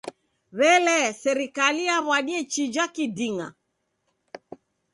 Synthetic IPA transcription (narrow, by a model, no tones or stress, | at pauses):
βɛlɛsɛɾikaliaβwaɗiɛt͡ʃid͡ʒakidiŋa̰